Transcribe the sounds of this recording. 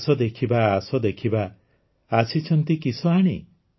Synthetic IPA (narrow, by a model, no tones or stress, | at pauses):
sɔd̪ekʰibaːsɔd̪ekʰibaː | sit͡ʃʰɔnt̪ikisɔaɽ̃ḭ